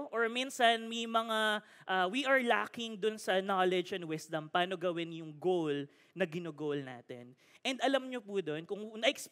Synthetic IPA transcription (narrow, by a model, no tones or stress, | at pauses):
ʔoɹminsɐnmɐjmɐŋaʔaːwiʔɐɹla̰ːkɪŋd̪ʊnsɐnalɛd͡ʒɛnd̪wɪsd̪ɐmpaːno̞ɡɐwɪnjʊŋɡowl | nɐɡɪnoːɡowlna̰ːt̪ɛ̰n | ʔɛnd̪ɐlɐmɲopud̪o̞nkʊŋnɐʔɪks